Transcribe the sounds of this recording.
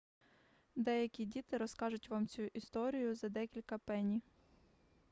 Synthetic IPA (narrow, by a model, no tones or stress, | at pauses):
d̪ɛjɐkʲidʲit̪ɪɾɔskɑʒʊtʲʋɑmt͡sʲuʔist̪ɔɾʲijʊzɐd̪ɛkʲilʲkɐpɛnʲi